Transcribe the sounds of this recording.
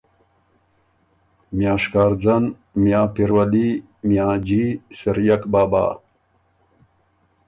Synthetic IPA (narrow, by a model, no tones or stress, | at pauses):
mjaːʂkaːɾd͡zɐn | mjaːpiɾwɐli | mjãːd͡ʑisɐɾjakbaːba̰ː